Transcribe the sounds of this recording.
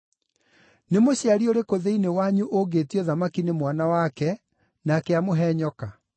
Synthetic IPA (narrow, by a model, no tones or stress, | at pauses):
nemoɕeaɾioɾekoðeinewaɲuʔoɡeːtiɔðamakinemwanawakɛ | nakeamoɦɛɲɔka